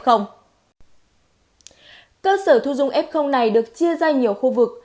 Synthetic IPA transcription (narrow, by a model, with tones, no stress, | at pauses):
xə˧wŋ͡m | kəː˧səː˧˩t̪ʰu˧zʊ˧ŋ͡mʔɛ˦˥p̚xə˧wŋ͡mna˨˩jɗɨ˨˩ək̚t͡ɕi˧əzaː˧ɲi˨˩əwxu˧vɨ˨˩k̚